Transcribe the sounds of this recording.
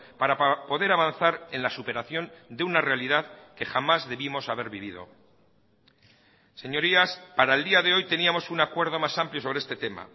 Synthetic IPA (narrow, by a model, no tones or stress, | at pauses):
paɾapo̞ðe̞ɾaβan̟θaɾe̞nlasupe̞ɾaθjo̞nd̪eunare̞aliðaðke̞xamazðe̞βimo̞saβe̞ɾβiβ̞ið̞o̞̰ | se̞ɲo̞ɾiaspaɾaeld̪iaðe̞o̞jt̪e̞niamo̞sunakwe̞ɾðo̞masampljosoβɾeest̪e̞t̪e̞ma̰